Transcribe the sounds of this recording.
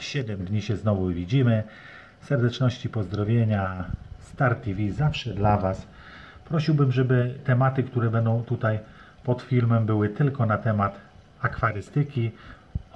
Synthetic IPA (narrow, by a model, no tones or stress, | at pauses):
ɕɛd̪ɛmd̪ɲiɕɛznɔvuvʲid͡ʑimɘ | sɛɾd̪ɛt͡ʂnɔɕt͡ɕipɔzd̪ɾɔvʲjeɲast̪aɾt̪ʲivʲizafʂɛd̪lavas | pɾɔɕiwbɘmʐɛbɘt̪ɛmat̪ɘkt̪uɾɛbɛnd̪ɔ̃w̃t̪ut̪aj | pɔt̪fʲilmɛmbɘwɘt̪ɘlkɔnat̪ɛmat̪ | akfaɾɘst̪ɘkʲi